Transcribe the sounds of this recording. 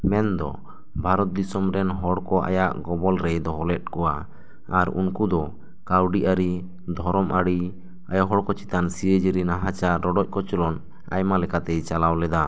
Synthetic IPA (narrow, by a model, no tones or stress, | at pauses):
mɛnd̪ɔ̰ | bʱaɾɔt̪̚d̪isɔmɾɛnɦɔɽkɔʔa̰jaʔɡɔbɔlɾɛd̪ɔɦɔlɛt̪̚kɔwaː | ɾṵnkud̪ɔ | kawɖiʔaɾi | d̪ʱɔɾɔmʔaɽi | a̰jaɦɔɽkɔt͡ʃi̥t̪ansijəd͡ʒəɾinaɦat͡ʃaɾɔɖɔc̚kɔt͡ʃɔlɔn | a̰jmalɛkat̪ɛt͡ʃalawlɛd̪a